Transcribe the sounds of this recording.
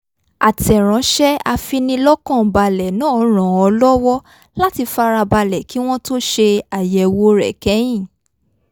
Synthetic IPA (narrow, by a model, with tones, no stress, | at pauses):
a˨tɛ˨ɾ̃ã˨˦ʃɛ˦a˧fi˧nĩ˧lɔ˦kã˦˨ba˧lɛ˨nãː˦ɔ˨˧˦ɾ̃ã˨ɔ˧lɔ˦wɔ˦ | la˦ti˧fa˧˦ɾa˧ba˧lɛ˨ki˨˦w̃ɔ̃˦to˦ʃe˧a˨jɛ˨wo˧˦ɾɛ̰˨kɛ˨˦j̃ĩ˦˨